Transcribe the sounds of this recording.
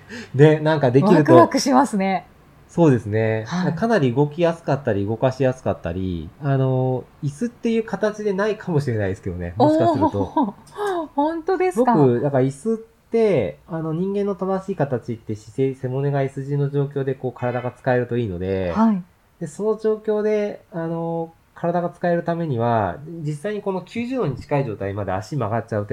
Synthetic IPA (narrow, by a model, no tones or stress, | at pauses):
ne̞nãŋkad̪e̞kiɾɯ̟tk̪oakɯ̟ɕimasɨne | so̞ːd̪e̞sɨne̞haakanaɾʲiɯ̟ɡo̞kʲijasɨ̥kat̪ːaɾʲiɯ̟ɡo̞kaɕijasɨ̥kat̪ːa̰ɾʲḭano̞isɨt̪ːe̞jɯ̟ːkat̪at͡ɕid̪e̞naikʰamo̞ɕiɾe̞naid̪e̞sɨ̥ked̪o̞̰ne̞̰mɕikasɨɾt̪o | hõnt̪od̪esɡo̞kɯ̟d̪akaisɨt̪ːe̞ano̞ɲ̟ĩŋɡẽ̞nːo̞t̪ad̪aɕiːkat̪at͡ɕit̪ːe̞ɕi̥sese̞mo̞ne̞ɡaisɨʑinːo̞ʑo̞ːk̬ʲo̞ːd̪e̞ko̞ːkʰaɾad̪aɡat͡sɨ̥kae̞ɾɯ̟t̪o̞iːno̞̰d̪e̞̰hai | d̪̥e̞so̞no̞ʑo̞ːkʲo̞ːd̪e̞ano̞ | kʰaɾad̪aɡat͡sɨ̥kae̞ɾɯ̟t̪ame̞ɲ̟iβad͡ʑisːaiɲ̟iko̞no̞kʲɨːʑɨːnoɲ̟it͡ɕi̥kaiʑo̞ːt̪aimad̪e̞a̰ɕimaɡat̚t͡ɕaɯ̟t̪